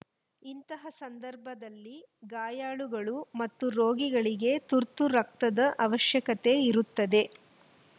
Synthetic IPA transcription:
int̪ɐɦɐsɐnd̪ɐɾbʱɐd̪ɐlːi | ɡaːjaːɭuɡɐɭumɐt̪ːuɾoːɡiɡɐɭiɡe̞t̪uɾt̪uɾɐk̚t̪ɐd̪ɐʔɐʋɐʃjɐkɐt̪e̞iɾut̪ːɐd̪e̞

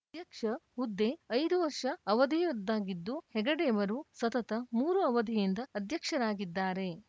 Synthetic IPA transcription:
d̪jɐkʂɐud̪ːeɐjd̪uʋɐɾʂɐɐʋɐd̪ʱijud̪ːaːɡid̪ːuhɛɡɐɽɛːʋɐɾusɐt̪ɐt̪ɐmuːɾuɐʋɐd̪ʱijind̪ɐːd̪jɐkʂɐɾaːɡid̪ːaːɾe̞

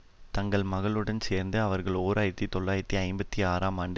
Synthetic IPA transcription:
t̪ɐŋɡɐɭmɐɣɐɭɯɽɐnseːɾnd̪ɯɐʋɐɾɣɐɭoːɾaːjɪɾɐt̪ːit̪ɔɭːaːjɪɾɐt̪ːiɐɪmbɐt̪ːiaːɾaːmaːɳɖɯ

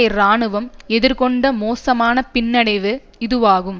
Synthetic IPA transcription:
ɐɪɾaːɳɯʋɐmɛðɪɾkɔɳɖɐmoːsɐmaːnɐpɪnːɐɽɐɪʋɯ | ɪðɯʋaːɣɯm

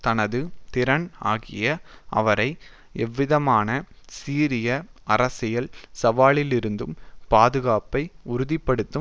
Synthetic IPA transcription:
t̪ɐnɐðɯt̪ɪɾɐɳa̰ːɣɪjɐʔɐ̰ʋɐɾɐɪ | ɛʋːɪðɐmaːnɐsiːɾɪjɐɐɾɐsɪjɐlsɐʋaːɭɪlɪɾɯnd̪ɯmpaːðɯɣaːpɐɪʊɾʊðɪpːɐɽɯt̪ːɯ

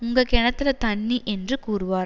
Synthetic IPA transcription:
ʊŋɡɐkɛɳɐt̪ːɪlɐt̪ɐɳːiʔɛndrɯkuːɾɯʋaːɾ

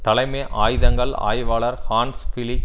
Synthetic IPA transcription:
t̪ɐlɐɪmeːʔaːjðɐŋɡɐɭa̰ːjʋaːɭɐɾhaːnsfɪlɪ

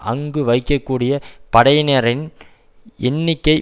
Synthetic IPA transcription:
ʔɐ̰ŋɡɯʋɐɪkːɐkːuːɽɪjɐpɐɽɐɪneːɾɪn | ʔɛnːɪkːɐɪ

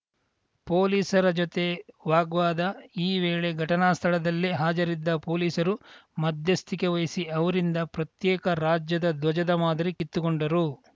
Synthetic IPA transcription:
po̞ːliːsɐɾɐd͡ʒot̪e̞ʋaːɡʋaːd̪ɐiːʋeːɭe̞ɡʱɐʈɐnaːst̪ʰɐɭɐd̪ɐlːiɦaːd͡ʒɐɾid̪ːɐpo̞ːliːsɐɾumɐd̪ʱjɐst̪ʰike̞ʋɐjisiɐʋɐɾind̪ɐpɾɐt̪jɛːkɐɾaːd͡ʒjɐd̪ɐd̪ʋɐd͡ʒɐd̪ɐmaːd̪ɐɾikit̪ːukoɳɖɐɾu

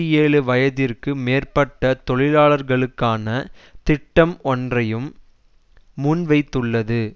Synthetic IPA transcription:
ɪjeːɭɯʋɐjɐðɪrkɯmeːrpɐʈːɐt̪ɔɭɪlaːɭɐɾɣɐɭɯkːaːnɐt̪ɪʈːɐmɔndrɐjɯmː | ʊnʋɐɪt̪ːɯɭːɐðɯ

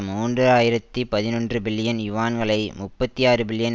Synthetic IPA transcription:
muːndrɯaːjɪɾɐt̪ːipɐðɪnɔndrɯbɪɭːɪjɐnjʊʋaːnɡɐɭɐɪmʊpːɐt̪ːiaːrɯbɪɭːɪjɐn

